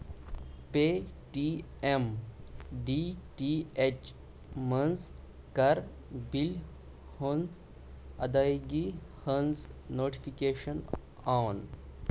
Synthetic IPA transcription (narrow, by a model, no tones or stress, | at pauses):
peːʈi | em | ɖiʈiet͡ʃ | mɐnz | kɐɾ | bil | honz | ɐd̪ajɡihənznoːʈi̥fʰikeːʃən | awn